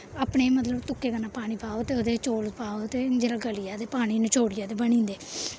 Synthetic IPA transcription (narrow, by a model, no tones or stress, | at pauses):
aːpɳeːmət̪ləbt̪ʊkːeːkənãːpaːɽ̃iːpaːoːt̪eːoːd̪eːt͡ʃoːlpaːoːt̪eːd͡ʒeːɾaːɡəlɪjaːd̪eːpaːɽ̃iːnət͡ʃoːɽɪjaːd̪eːbənĩːnd̪eː